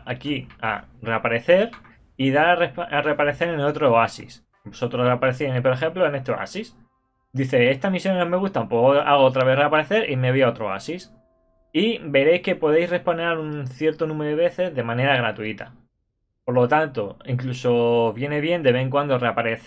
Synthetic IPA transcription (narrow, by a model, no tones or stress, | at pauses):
akia̰re̞apaɾe̞θe̞ɾ | iðarepare̞apaɾe̞θe̞ɾenot̪ɾoasḭs | boso̞t̪ɾosreapaɾeθinepoɾe̞xẽ̞mploene̞st̪oa̰sis | d̪iθe̞est̪amisjonome̞ɣ̞ust̪aumpoɣoaɣ̞oot̪ɾaβe̞θre̞apaɾe̞θe̞ɾʔime̞βiaot̪ɾoa̰sis | ibe̞ɾe̞jske̞po̞ð̞ejsre̞hpanaɾunθje̞ɾt̪onũme̞ɾoeβe̞θe̞zðe̞mãne̞ɾaɣ̞ɾat̪uit̪a | po̞ɾlo̞t̪ant̪o̞iŋkluso̞βje̞neβje̞nd̪e̞βeeŋk̬wand̪ore̞apaɾe̞θ